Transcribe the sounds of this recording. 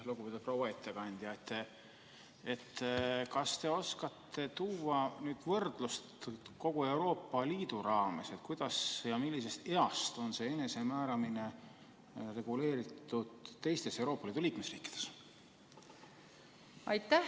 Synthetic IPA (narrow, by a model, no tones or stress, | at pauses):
luɡ̥upet̪ut̪pro̞wɑet̪ːˑe̞kɑnʲd̪̥jɑet̪ːˑe | e̞t̪ːkɑst̪e̞o̞skɑt̪ʰːe̞t̪uːwɑnyːd̪̥vɤrd̪̥lust̪ko̞ɡ̥ue̞wɾo̞ːpːˑɑliːd̪̥uɾɑːme̞se̞t̪ˑkujd̪̥ɑsjɑmilːise̞st̪e̞ɑst̪o̞nse̞ene̞se̞mæːɾɑmine̞ | re̞ɡ̥ule̞ːɾit̪ːˑud̪̥t̪ːe̞jst̪e̞se̞wɾo̞ːpːˑɑliːd̪uliːkme̞srḭːkːˑi̥d̪̥e̞̥s | ɑjt̪ːæ